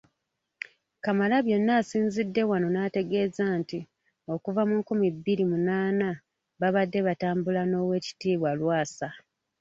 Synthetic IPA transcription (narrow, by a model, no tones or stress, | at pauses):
kamalaβje̞nːaːsiːnzidːe̞wano̞nate̞ɡe̞ːzaːnti | o̞kuvamuŋkumibːiɾimunaːna | βaβadːe̞βataːmbulano̞ːwe̞ːci̥tiːβwalwaːsa